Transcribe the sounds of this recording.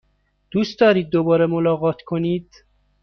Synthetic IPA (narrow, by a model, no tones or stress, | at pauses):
d̪̥uːst̪d̪ɒːɾiːd̪̚ːobɒːɾemolɒːɣɒːt̪ʰkʰoniːd̪̥